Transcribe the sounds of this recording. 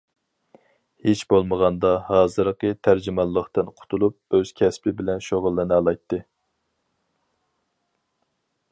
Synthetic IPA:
het͡ʃbolˠməʁɑnd̪ɑhɑːzɨɾqət̪ʰæɾd͡ʒimɑlˠːəχt̪ɨnqʰʊ̥t̪ʰulˠup̚øz̥kʲʰɛspʰɪbɪlɛnʃoʁʊlˠːɨnɨɑlˠɑjt̪ʰːɨ

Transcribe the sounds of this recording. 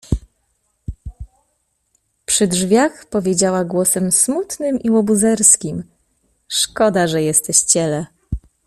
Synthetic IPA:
pʂɘdʐvʲjaxpɔvʲjed͡ʑawaɡwɔsɛmsmut̪nɘmiwɔbuzɛɾskʲim | ʂkɔd̪aʐɛjɛst̪ɛɕt͡ɕɛlɛ

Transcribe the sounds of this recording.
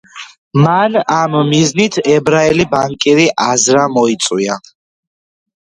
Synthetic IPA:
manamːiznit̪ʰɛbɾaɛlibaŋkʼiɾiʔazɾamɔit̪sʼwia

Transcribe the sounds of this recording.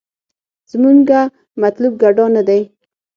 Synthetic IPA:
z̥muŋɡa | mat̪lub̚ɡaɖɑnad̪aj

